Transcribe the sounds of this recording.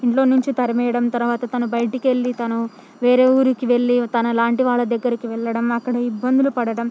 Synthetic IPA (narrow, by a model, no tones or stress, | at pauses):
iɳʈlo̞ːnuɲt͡ʃit̪ɐɾɐmɛːjɐɽɐmt̪ɐɾuʋaːt̪ɐt̪ɐnubɐjɐʈikiʋe̞ɭːit̪ɐnu | ʋeːɾe̞ːuːɾukiʋe̞ɭːit̪ɐnɐlaːɳʈiʋaːɭːɐd̪ɐɡːɐɾikiʋɛɭːɐɽɐmɐkːɐɽɐibːɐnd̪ulupɐɽɐɽɐm